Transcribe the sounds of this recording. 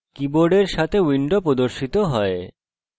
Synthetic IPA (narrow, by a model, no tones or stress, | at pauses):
kiboɖeɾʃat̪ʰewiɳɖopɾod̪oɾʃit̪oɦɔe